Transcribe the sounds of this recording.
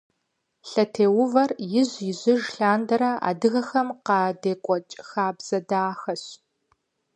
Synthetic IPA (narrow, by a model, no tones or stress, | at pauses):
ɬɐtʰeːwʊvɐrjɪʑjɪʑɪʒɬaːndɐɾɐa̰ːdɨɣɐxɐmqɑːdeːkʷʼɔt͡ʃʼxaːbz̥ɐdaːxɐɕ